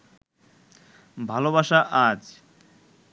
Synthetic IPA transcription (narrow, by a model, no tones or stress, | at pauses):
bʱaloβaʃaʔad͡ʑ